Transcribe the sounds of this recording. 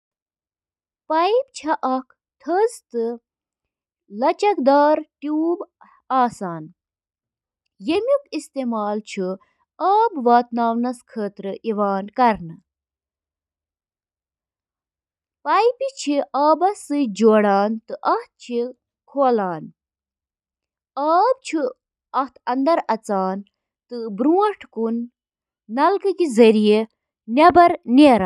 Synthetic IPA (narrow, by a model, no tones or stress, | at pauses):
pɐjip̚t͡ʃʰɐʔɐkʰ | t̪ʰəzt̪ɨ | lɐt͡ʃɐkd̪aːɾʈjuːb | aːsaːn | jemʲukist̪eːmaːlt͡ʃʰu | ɐːbʋaːt̪naːwnɐskʰəːt̪ɾɨʔiʋaːnkɐɾnɨ | paːjpit͡ʃʰiʔaːbɐsɨd͡ʒoːɽaːnt̪ɨʔɐht̪̚t͡ʃʰi | kʰoːlaːn | aːb̚t͡ʃʰu | ɐht̪ʰɐnd̪ɐɾɐt͡saːn | t̪ɨbɾuːɐʈʰkunː | ɐlkɨkizɐɾije | nʲebɐɾneːɾa